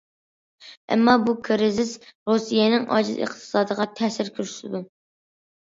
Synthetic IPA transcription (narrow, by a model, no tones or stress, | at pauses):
ɛ̰mːɑbukʰɾɪzɪsɾusijɛnɪŋɑ̰d͡ʒɨzə̰χt̪ʰɨ̥sɑːd̪əʁɑt̪ʰɛsɪɾkʲʰyɾy̥sɪd̪u